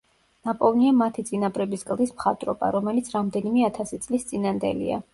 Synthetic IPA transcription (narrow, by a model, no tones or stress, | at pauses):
napʼɔlˠniamat̪ʰit̪sʼinabɾɛbiskʼlˠd̪ismχat̪ʼɾɔba̰ɾɔmɛlit̪sʰɾamd̪ɛnimɛat̪ʰasit̪sʼlist̪sʼinand̪ɛ̰lḭa̰